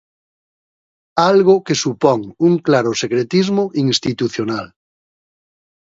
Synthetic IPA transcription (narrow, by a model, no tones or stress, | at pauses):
alɣokesupɔŋuŋklaɾosekɾet̪izmoʔiŋst̪it̪uθjonal